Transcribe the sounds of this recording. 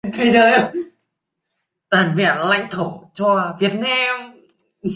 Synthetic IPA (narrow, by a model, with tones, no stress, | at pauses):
t̪ʰi˧˩ɗəː˨˧˩j | t̪waː˨˩nvɛ̰˧˩ənla̰˧˨jŋ̟t̪ʰo˧˩t͡ɕɔ˧˩vi˨˩˦ət̚na˧m